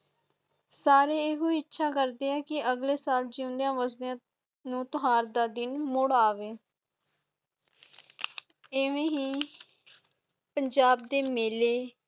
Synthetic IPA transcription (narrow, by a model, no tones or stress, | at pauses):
saːɾeːeːɦuːɪtːʃʰaːkəɾd̪eːɛːkɪəɡleːsaːld͡ʒɪʊ̃nd̪jãːʋəzd̪jãː | nũːt̪ʊɦaːɾd̪aːd̪ɪnmʊɽaːʋeː | eːʋẽːɦiː | pəɲd͡ʒaːb̚d̪eːmeːleː